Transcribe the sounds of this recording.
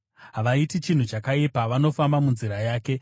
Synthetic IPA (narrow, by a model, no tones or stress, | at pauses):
ɦaʋaitit͡ʃin̤ut͡ʃakaipaʋano̞fambamunziɾajaːke̞